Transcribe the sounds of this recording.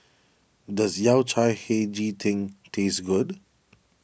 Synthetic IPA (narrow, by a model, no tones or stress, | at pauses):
dazjawt͡ʃʰajhed͡ʒitʰɪ̃ŋtʰeːsɡʊd